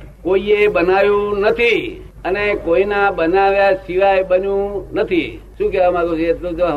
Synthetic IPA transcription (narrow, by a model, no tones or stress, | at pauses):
koiebənaʋjũnət̪ʰi | ənekoinabənaʋjasiʋajɓənjũnət̪ʰḭ | ʃũːkɛamaɡõd͡ʒet̪lõd͡ʒo